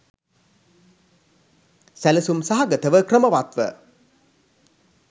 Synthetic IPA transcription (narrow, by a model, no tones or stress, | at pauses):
sæləsumsaɦaɡət̪əʋəkrəməʋat̪ʋə̰